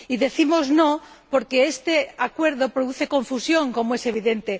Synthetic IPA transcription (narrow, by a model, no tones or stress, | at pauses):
iðe̞θimoznõ | poɾkeest̪eakweɾðopɾoðuθekõɱfusjõŋkomoese̞β̞iðent̪e